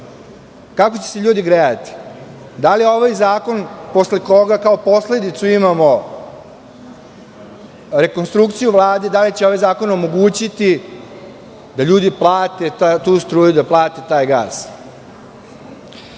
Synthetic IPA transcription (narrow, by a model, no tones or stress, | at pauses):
kakot͡ɕeseʎuːd̪iɡɾeat̪i̥ | d̪alio̞ʋajzaːko̞npo̞sle̞ko̞ɡakaopo̞sle̞d̪it̪suimamo̞ | ɾe̞konst̪ɾukt̪sijuʋlˠaːd̪ed̪alit͡ɕeo̞ʋajzaːko̞nomo̞ɡuːt͡ɕit̪i | d̪aʎuːd̪iplˠaːt̪e̞t̪t̪uːst̪ɾuːjud̪aplˠaːt̪e̞t̪aːjɡa̰ːs